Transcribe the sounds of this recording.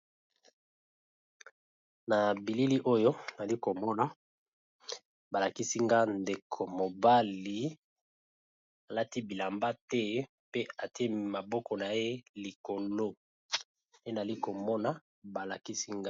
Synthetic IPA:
na˨bi˨li˦li˦ʔo˦jo˦na˨li˦ko˨mɔ˦na˦ | ba˨la˨ki˦si˦ŋɡa˦nde˨kʰo˨mo˨ba˦li˨˦ | a˨la˦ti˦bi˨la˨mba˦tɛ˦ | pe˦a˨ti˦e˦˨ma˨bɔ˦kɔ˨na˨je˦li˨ko˨lo˦ | e˦na˨li˦ko˨mɔ˦na˨ | ba˨la˨ki˦si˦ŋɡa˦

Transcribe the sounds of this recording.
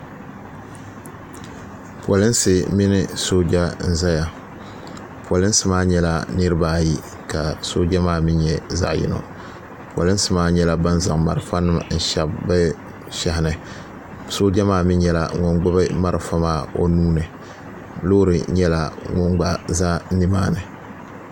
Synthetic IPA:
pwa˨lɨ˦n˦sɨ˨mi˦nɪ˦so˦d͡ʒa˦n̩˦za˦ja˨ | pa˨lɨ˦n˦sɨ˦maː˦ɲɛ˦la˦nɨ˦ɾɨ˦baː˦˨ji˦ | ka˨so˦d͡ʒa˦maː˦mɪ˦ɲɛ˦za̰˦˨ʔjɪ̰˦no̰˨ | pwa˨lɨ˦n˦sɨ˨maː˦ɲɛ˦la˦ba˦nza˨ŋma˨ɾɨ˨fa˦nɨ˦m˨n̩˦˨ʃa˨bbɨ˦ | ʃa˨hɪ˨nɨ˨ | so˦d͡ʒa˦maː˦˨mɪ˦ɲɛ˦la̰˨ŋʊ˦ŋɡ͡ba˦bɨ˦ma˦ɾɨ˨fa˦maː˦o̰˦nuː˦nɨ˨ | loː˦ɾɨ˨ɲɛ˦la˦ŋʊ˦ŋɡ͡ba˦za˦nɪ˦maː˦˨nɨ˨

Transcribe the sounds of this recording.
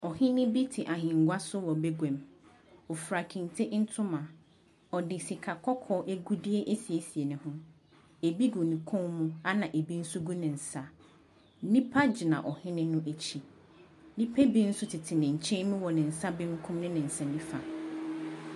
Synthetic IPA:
ɔ˨hɪ̃˦nɪ̃˦bi˦tʰɪ˨ʔa˨ɦɪ̃˨ŋ̩˨ɡʷa˦sʊ˦wɔ˨be˦ɡʷɛ̃˨m | ɔ˨fɾa˨kʰĩ˨n˨tʰɪ˦ʔn̩˦tʰʊ̃˦mã˨ | ɔ˨dɪ˨si˨kʰa˨kʰɔ˦kʰɔ˦ʔe˦ɡu˦di˦e˦ʔe˦si˨e˨si˨e˨nʊ̃˨hʊ̃˦ | e˨bi˦ɡu˨nĩ˨kʰʊ̃˦mũ˦a˦nã˨ʔe˨bi˦n̩˦sʊ˦ɡu˦nɪ̃˨n̩˨sa˦ | nĩ˦pʰa˦d͡ʑi˨nã̰˨ʔɔ˨hɪ̃˦nɪ̃˦nʊ̃˦ʔe˨t͡ɕʰi˨ | nĩ˦pʰe˦bi˦n̩˦sʊ˦tʰɪ˨tʰɪ˨nɪ̃˨ɲ̩˨t͡ɕʰɪ̃˦nʊ̃˦wɔ˨nɪ̃˨n̩˨sa˦bɪ̃˦ŋ̩˦kʰʊ̃˦mnɪ̃˦nɪ̃˨n̩˨sɛ̃˨nĩ˦fa˨

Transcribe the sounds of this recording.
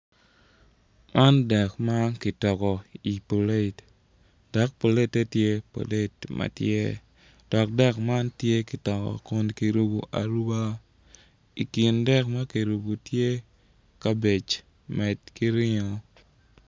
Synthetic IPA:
mʔa˦ndɛ˨kma˦kɪ˨tɔ˨kɔ˨i˨po˨le˦˨t | d̥ɛ˨k̚po˨le˦tːe˦tje˦po̰˨le˦tmʔɐ̰˨tjḛ˦ | d̥ɔ˨k̚dɛ˦kma˦ntje˦ki˨tɔ˨kɔ̰˨ko˦nki˨ɾu˦bu˨ʔa˨ɾu˦ba˦ | i˨kɪ˨ndɛ˦kmɐ˦ki˨ɾu˨bu˨tje˦ | ka˦be˨t͡ʃ | mɛ˨tki˦ɾɪ˦ɲɔ˨

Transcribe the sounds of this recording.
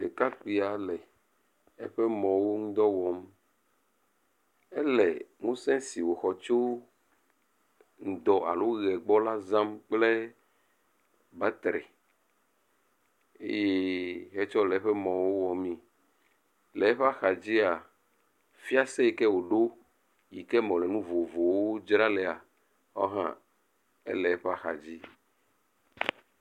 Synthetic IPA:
e˨ka˦k͡pi˨a˨lɛ˨ | ɛ̰˦ɸɛ˦mɔ̃˨wo˦ŋũ˦d̪ɔ˦wɔ˨m | ɛ˦lɛ˨ŋũ˦sɛ̃˦si˨wo˨xɔ˨t͡ʃo˦ | ŋ̩˨d̪ɔ˨˦ʔa̰˨lo˦ɣɛ˨ɡ͡bɔ˦la˦zã˦mk͡plɛ˦ | ba˦t̪ɾɛ̰˨ | ḛ˦je˦ɦɛ˦t͡ʃɔ˦lɛ˨˦ɸɛ˦mɔ̃˨wo˦wɔ˨mĩ˦ | lɛ˨˦ɸa˦xa˨d͡ʑi˦a˨ | fi˦a˦sɛ˦˨kɛ˦wo˨ɖo˦ | ji˨kɛ˦mɔ̃˨lɛ˨nũ˦vo˨vo˨wo˦d͡ʒɾa˦lɛ˨a˨ | wɔ̰˦ɦã̰˦ | ḛ˦lɛ˨˦ɸa˦xa̰˨d͡ʑi˦

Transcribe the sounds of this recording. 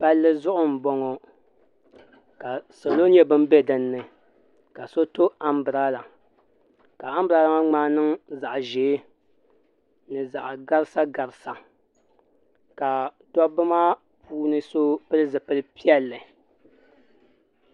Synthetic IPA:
pa˦lːɨ˦zʊ˦ʔʊ˦m˨bɔ˦ŋɔ˨ | ka˨so˨lo˦ni˦a˨bɨ˦m˦be˦dɨ˨nːɨ˨ | ka˨so˦to˦a˨mbɨ˨ɾa˦la˨ | ka˨a˦m˦bɨ˨ɾa˦la˦ŋa˦ŋ͡maː˦nɨ˦ŋza˨ʔʒeː˨˦ | nɨ˨za̰˨ʔɡa˦ɾɨ˦sa˦ɡa˨ɾɨ˨sa˨ | ka˨tɔ˦bɨ˦ma˦ | pʰuː˦nɨ˦so˦pɨ˦lɨ˦zɨ˨pɨ˦lɨ˦pi˦ɛ˦lːɨ˨

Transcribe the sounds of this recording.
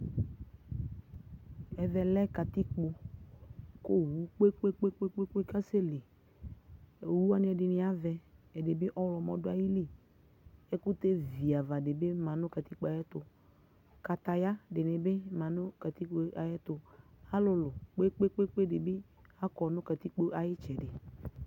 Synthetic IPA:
ɛ˨vɛ˨lɛ˦ka˨t̪i˦k͡po˨ | ko˦wu˨˦k͡pe˦k͡pe˦k͡pe˦k͡pe˦k͡pe˦k͡pe˦ka˦se˦le˨ | wu˦a˨nɪ̃˨˦ɛ˨dɪ˨nɪ˨a˦vɛ˨ɛ˨dɪ˨bɪ˦ʔɔ˦wlɔ˨mɔ˨dʊ˦a˨ji˦li˦ | ɛ˦kʊ˦t̪e˦vi˨a˨va˨dɪ˨bɪ˦mã˨nʊ̃˦ka˨t̪i˦k͡pa˨jɛ˦t̪ʊ˨ | ka˨t̪a˨ja˦dɪ˨nɪ˨bɪ˦mã˨nʊ̃˦ka˨t̪i˦k͡po˦ʔa˨jɛ˦t̪ʊ˨a˦lʊ˨lʊ˨k͡pe˦k͡pe˦k͡pe˦k͡pe˦dɪ˨bɪ˦ | a˦kɔ˨nʊ̃˦ka˨t̪i˦k͡po˦ʔa˨jɪ˦t͡ʃɛ˨dɪ˨

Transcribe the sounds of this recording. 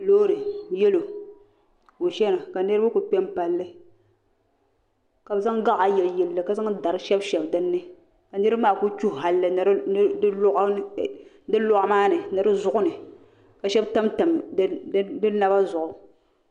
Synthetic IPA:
loː˦ɾɨ˨jɛ˦lo˨ | o˨ʃɛ˦na˨ka˨nɨ˦ɾɨ˦bɨ˦ku˨pʲɛ˦mpa˨lːɨ˦ | ka˨bza˦ŋɡa˦ʔa˨jɛ˨ljɛ˨lːɨ˨ka˨za˦ŋda˨ɾɨ˦ʃɛ˦bʃɛ˨bdɨ˦nːɨ˦ | ka˨nɨ˦ɾɨ˦maː˦˨ku˦t͡ʃu˦hɦa˨lːɨ˨n˨ɾʔ | dɨ˦lo˦ʔa˦maː˦nɨ˨nɨ˨ɾɨ˦zʊ˨ʔʊ˦nɨ˨ | ka˨ʃɛ˦bta˦mta˨m˦ | dɨ˦na˨ba˦zʊ˨ʔʊ˨

